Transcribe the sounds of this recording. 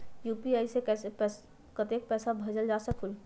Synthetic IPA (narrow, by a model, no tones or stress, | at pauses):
juːpiaːisekɛːsepː | kɐt̪eːk̚pɛːsabʱɐd͡ʒəld͡ʒaːsəkʰul